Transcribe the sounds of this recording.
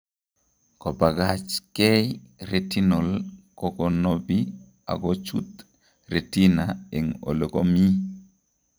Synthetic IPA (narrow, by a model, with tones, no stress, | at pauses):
kɔ˨ba˨ɡat͡ʃkɛ˦jɾe˨ti˦no˨lkɔ˨kɔ˨no˨bi | a̰˨ɡɔt͡ʃṵ˦t̪ | ɾe˨ti˦nae˨ŋo̰˨lo˨ko˦mi˦